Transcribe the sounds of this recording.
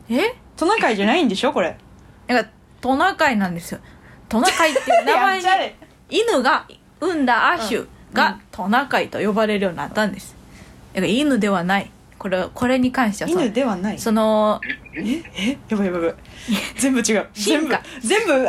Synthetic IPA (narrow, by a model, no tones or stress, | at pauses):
e | t̪o̞nakaiʑanaĩnd̪e̞ɕoko̞ɾe̞ | jaka | t̪o̞nakainãnd̪e̞sɨjot̪onakait̪ːenamae | inɯɡa | ɯ̟̃nd̪aʔaɕɯ̰ɡ̥at̪ʰo̞nakait̪o̞jo̞baɾe̞ɾɯ̟jo̞ːɲ̟ina̰t̪ːãnd̪e̞sɨ̥j̪akainɯ̟d̪e̞βanai | koɾeko̞ɾe̞ɲ̟ikãɰ̃ɕi̥eanɯd̪e̞βanaiso̞no̞ | eejabajabaβɯ | zẽ̞mbɯt͡ɕiɡaɯembazẽ̞mbɯ